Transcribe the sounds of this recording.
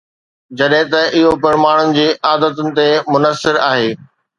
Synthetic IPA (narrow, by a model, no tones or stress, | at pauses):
d͡ʑɐɗɦɪ̃t̪ɐʔɪɦopɐɾmaːɽ̃ʊnɪ̆d͡ʑeːʔaːd̪ət̪ʊnɪ̆t̪emʊnəsːɪɾaːɦeː